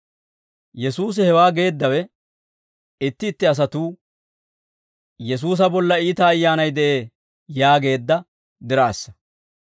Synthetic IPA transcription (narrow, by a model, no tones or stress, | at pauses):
jɛsuːs̬ɪhɛwaːɡe̞ːd̪ːɐwɛ | ɪt̪ːɪːt̪ːɪɐs̬ɐt̪uː | jɛs̬uːs̬ɐbɔlːɐiːt̪ɐːjːaːnɐjd̪ɛʔeː | jaːɡe̞ːd̪ːɐ | d̪ɪɾaːsːɐ̥